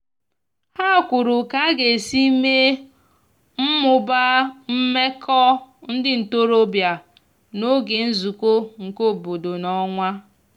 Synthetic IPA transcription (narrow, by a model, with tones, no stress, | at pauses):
ha˦˨kʷʊ˨ɾʊ˨ka˨˦ɡe˨si˦me˦ | m̩˦mʊ˨ba˦m̩˦me˦kʰɔ˦n̩˦dɪ˦n̩˨to˦ɾo˦bja˨ | no˦ɡe˨n̩˦zu˨kʷo˦ŋ̩˨ko˦˨bo˨do˨nɔ˦ŋʷa˦